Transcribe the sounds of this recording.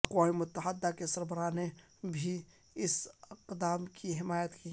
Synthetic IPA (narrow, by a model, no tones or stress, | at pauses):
kwaimʊt̪ːəɦəd̪ːakesəɾbəɾaːne | bʱi | ɪsɪqd̪aːmkiɦɪmaːjət̪ki